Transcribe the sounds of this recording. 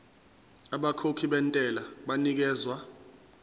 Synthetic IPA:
aɓakʰokʰiɓɛntʼɛlaɓanik̬ɛːzwa

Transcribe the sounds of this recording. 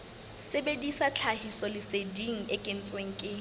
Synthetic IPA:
sebedisat͡ɬʰahisɔlɪsediŋ̩ekʼen̩t͡sʼweŋ̩ːkʼɪ

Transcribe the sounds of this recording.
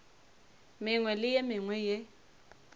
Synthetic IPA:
mɪŋwɛlɪjɛmɪŋwɛje

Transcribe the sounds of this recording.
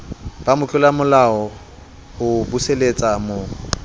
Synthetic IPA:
b̥amʊt͡ɬʼʊlamʊlaɔ | ʊbuselet͡sʼamo

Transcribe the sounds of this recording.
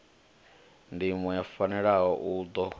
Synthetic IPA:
ndimwɛjafanɛɺaɦɔʔuːd̪ɔ

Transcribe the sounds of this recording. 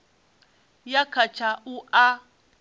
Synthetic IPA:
jakʰat͡ʃʰauʔa

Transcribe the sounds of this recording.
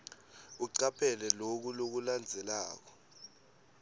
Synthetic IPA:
uǀapʰɛlɛlok̬ulok̬uland͡zʱɛlaːk̬ɔ̥

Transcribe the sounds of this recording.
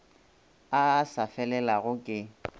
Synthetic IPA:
asafɛlɛlaɣʊkʼɪ

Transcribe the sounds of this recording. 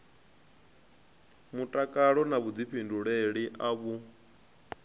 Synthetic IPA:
mutʼakʼaɺɔnaβud͡ziɸʰinduɺeɺiʔaβu

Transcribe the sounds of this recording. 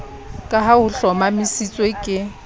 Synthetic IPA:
kʼaɦaʊɬɔmamɪsit͡sʼwekʼɪ

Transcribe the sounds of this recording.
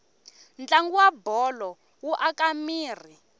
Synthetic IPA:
nd͡ɮaŋɡuwabɔlɔ | wuʔakʼamiːr̤i

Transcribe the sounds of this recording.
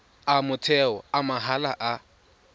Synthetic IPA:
amʊtʰɛɔ̰amaɦalaʔa

